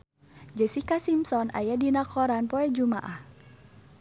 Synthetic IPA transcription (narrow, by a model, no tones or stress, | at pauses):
d͡ʒəsikasimsɔnʔa̰jadinakɔɾanpɔɛd͡ʒuma̰ʔah